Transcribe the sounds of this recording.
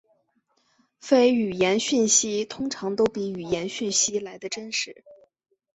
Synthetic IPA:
fe˥ɪy˨˩jɛ˧˥nɕi˥˩nɕi˥t̪ʰʊ˥ŋʈ͡ʂʰɑ˧˥ŋt̪o˥ʊpi˧˥y˨˩jɛ˧˥nɕy˥˩nɕi˥la˧˥ɪd̪ə˧ʈ͡ʂə˥nʂɻ̩˧˥

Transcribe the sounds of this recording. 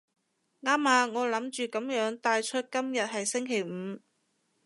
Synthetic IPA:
ŋaː˥maː˨˧ŋɔː˨˧lɐ˨˥mt͡ʃyː˨˧kɐ˨˥mjœː˨˥ŋt̪aː˧jt͡ʃʰɵ˥t̚kɐ˥mjɐ˨t̚ɦɐ˨jsɪ˥ŋkʰe˨˩jm̩ː˨˧˦

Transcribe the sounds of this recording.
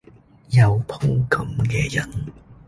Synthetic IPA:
jɐ˨˩wpʰo˥ŋkɐ˨˧˥mkɛː˧jɐ̰˨˩n

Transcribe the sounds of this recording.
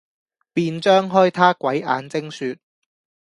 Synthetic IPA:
piː˧nt͡ʃœː˥ŋɦœː˥jt̪ʰaː˥kwɐ˨˥ja̰ː˨˧˥nt͡sɪ˥ŋsyː˧t̚

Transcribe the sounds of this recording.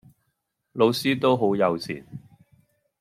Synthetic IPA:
lo˨˧wsiː˥t̪o˥wɦo˨˥wjɐ˨˧wt͡sʰḭː˨˩n

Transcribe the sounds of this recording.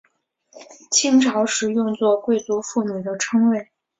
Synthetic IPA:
t͡ɕʰi˥ŋʈ͡ʂʰɑ˧˥ʊʂɻ̩˧˥jʊ˥˧ŋt͡swɔ˥˧kwe˥˩ɪt͡su˧˥fu˥˩miu˨˩d̪ə˦ʈ͡ʂʰɤ˥ŋwe˥˩ɪ

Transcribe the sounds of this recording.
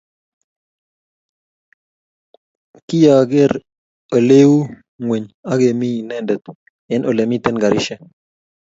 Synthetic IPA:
ki˦ja˨ɡe˦ɾ | ə˨le˦wu˦ | ŋwe˨ɲa˦ɡe˨mi˦˨nɛ˦˨ndɛ˨t̪ | ɛ˦nʔo˨lɛ˨mi˦t̪ɛ˦nɡa˨ɾi˦ʃɛ˦

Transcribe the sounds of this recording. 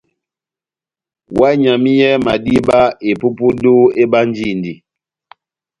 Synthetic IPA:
wa˦ɲa˨mi˦jɛ˦ma˨di˦ba˦e˨pu˦pu˦do˦e˦ba˦n˦d͡ʒi˦˨ndi˨

